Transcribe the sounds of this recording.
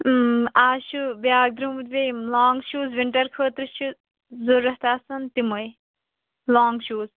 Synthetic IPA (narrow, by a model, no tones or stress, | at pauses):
aːʃubjaːɡ̚d̪ɾumut̪bemlaːŋɡʃuːzʋiɳʈɐɾkʰəːt̪ɾɨt͡ʃʰu | zuɾːɐht̪aːsɐnt̪iməj | laːŋɡʃuːz